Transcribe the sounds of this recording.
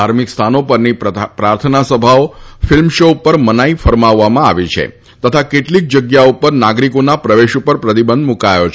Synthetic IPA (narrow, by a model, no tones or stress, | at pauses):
aɾmikst̪ʰanopəɾnipɾaɾt̪ʰənasəbʱaofɪlmʃoupəɾmənaifəɾmaʋːamãa̰ʋit͡ʃʰḛ | t̪ət̪ʰakeʈlik̚d͡ʒəɡjaupəɾnaɡɾikonapɾəʋeʃupəɾpɾət̪ibə̃nd̪mukajot͡ʃʰ